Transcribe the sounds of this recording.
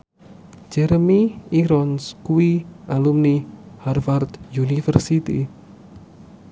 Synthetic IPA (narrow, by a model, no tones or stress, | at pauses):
d͡ʒɛɾəmiiɾɔnskuiʔalumniharfart̪junifərsit̪ḭ